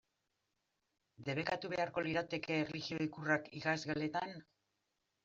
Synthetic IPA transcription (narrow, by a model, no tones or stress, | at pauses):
d̪e̞βe̞kat̪uβe̞aɾko̞liɾat̪e̞ke̞ːrliɣio̞ikurakikazɣale̞t̪an